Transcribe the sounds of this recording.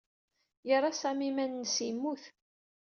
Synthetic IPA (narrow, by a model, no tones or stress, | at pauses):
jəɾˤɑsæmimænːsimːuθ